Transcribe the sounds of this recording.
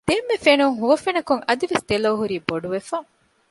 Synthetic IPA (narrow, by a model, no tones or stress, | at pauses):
d̪̥eːmːefenuŋɦuʋɐfenɐkuŋɐd̪iʋesd̪̥eloːɦuɾiːboɖuʋefɐ